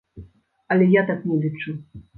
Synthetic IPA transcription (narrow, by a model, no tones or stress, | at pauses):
ɐlʲɛjat̪aknʲɛlʲɨt͡ʂu